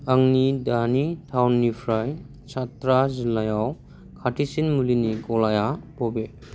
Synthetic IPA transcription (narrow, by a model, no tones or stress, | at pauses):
aŋnidanitʰawnːipʰɾaj | satɾazilajaw | kʰatʰisinmuliniɡɔlajabɔbe